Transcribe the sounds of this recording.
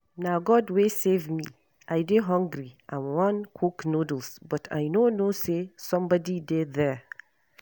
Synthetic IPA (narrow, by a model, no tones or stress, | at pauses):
naɡɔdwesevmi | ʔajdɪɦʌ̃ŋɡɹiʔãmwʌ̃nkʰuknodl̩ˠsbʌtʰa̰jnonosesʌ̃mbɔdidedðɛ˞